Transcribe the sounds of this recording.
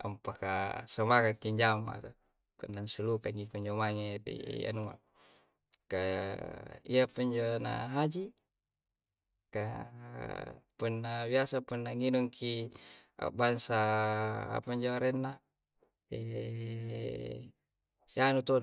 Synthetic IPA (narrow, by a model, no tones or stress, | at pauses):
a̰mpakasamakakːiɲd͡ʒama̰t̪o | punːansulukaŋipuɲd͡ʒomaŋeɾḭa̰numa̰ | ka | iapuɲd͡ʒona̰ɦad͡ʒi | ka | punːabiasapunːaŋinuŋkʰia̰bansa | a̰paɲd͡ʒoaɾɛnːa | e | anut̪on